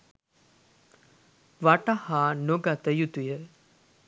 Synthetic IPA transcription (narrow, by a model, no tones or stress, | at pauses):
ʋaʈahaːnoɡat̪əjut̪ujə